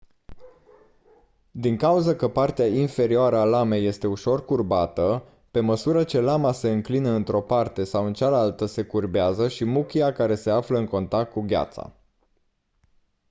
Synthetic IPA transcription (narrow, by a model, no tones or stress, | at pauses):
d̪iŋkauzəkəpart̪eainfe̞ɾioaɾəalame̞je̞st̪e̞uʃo̞rkurbat̪ə | pe̞məsuɾət͡ʃe̞lamase̞ɨŋklinəɨnt̪ɾo̞part̪e̞sawɨnt͡ʃalalt̪əse̞kurbeazəʃimukʲiakaɾe̞se̞afləɨŋko̞nt̪ak̚t̪̚kuɡʲa̰t̪sa̰